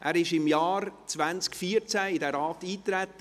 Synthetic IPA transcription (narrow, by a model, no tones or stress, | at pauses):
ʔæːɾɪʃɪmjɑːɾt͡svænt͡skfiəɾt͡sæɪdɛɾɑːtiːt̪ɾæt̪ːə